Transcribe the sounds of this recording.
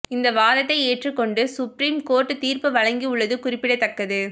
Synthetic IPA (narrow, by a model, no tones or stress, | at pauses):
ɪnd̪ɐʋaːðɐt̪ːɐɪeːʈrɯkːɔɳɖɯsʊpɾiːmkoːrʈːɯt̪iːɾpɯʋɐɻɐŋɡiʊɭːɐðɯkʊrɪpːɪɽɐt̪ːɐkːɐðɯ